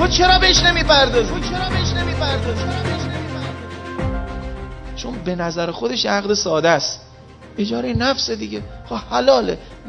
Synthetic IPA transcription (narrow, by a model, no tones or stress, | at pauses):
ot͡ʃʰe̞ɾɒːbeeʃne̞miːpʰæɾd̪ɒːzut͡ʃʰe̞ɾɒːbeeʃne̞miːpʰæɾd̪ɒːzt͡ʃʰeɾɒːbeeʃnemiːpʰæɾd̪ɒːz | t͡ʃʰonbe̞næzæɾexo̞d̪e̞ʃʔæɣd̪esɒːd̪æs | ed͡ʒɒːɾejnæfsed̪iɡexohælɒːlḛ